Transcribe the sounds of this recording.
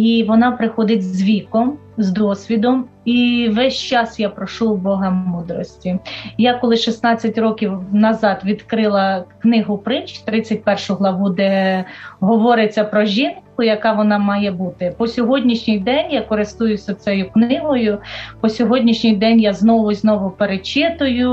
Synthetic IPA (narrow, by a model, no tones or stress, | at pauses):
iʋɔnɑpɾɪxɔd̪ɪtʲzʋʲikɔm | zd̪ɔsʲʋʲid̪ɔm | iʋɛsʲt͡ʃɑsjapɾɔʃubɔɦɐmud̪ɾɔsʲtʲijakɔlˠɪʃisnɑt͡sʲːɐtʲɾɔkʲiwnɐzɑt̪ʋʲid̪kɾɪlˠɐknɪɦʊpɾɪnt͡ʃt̪ɾɪt͡sʲːɐt̚ʲpɛrʃʊɦlˠɐʋud̪ɛ | ɦɔʋɔɾɪt͡sʲːɐpɾɔʒʲinkʊjɐkɑʋɔnɑmɑjɛbut̪ɪpɔsʲɔɦɔdʲnʲiʃnʲɪjd̪ɛnʲjakɔɾɪst̪ujʊsʲɐt̪sɛjʊknɪɦɔjʊpɔsʲɔɦɔdʲnʲiʃnʲɪjd̪ɛnʲjaznɔʋʊznɔʋʊpeɾet͡ʃɪt̪ʊjʊ